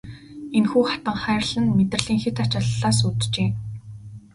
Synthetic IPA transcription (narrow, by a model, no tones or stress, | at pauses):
enxuːχḁt̪ə̆ŋχæːrɮə̆nmet̪rə̆ɮiːŋxet̪at͡ɕɔɮɮaːsut̪t͡ɕeː